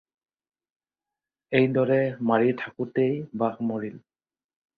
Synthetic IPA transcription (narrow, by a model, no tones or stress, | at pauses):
ejdɔɹɛmaɹitʰakʊtejbakmɔɹil